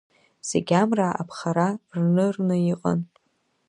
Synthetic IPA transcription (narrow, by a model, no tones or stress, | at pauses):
z̥ḛɡʲamraʔa̰pʰχaɾarnɨrnɨiqʼə̰n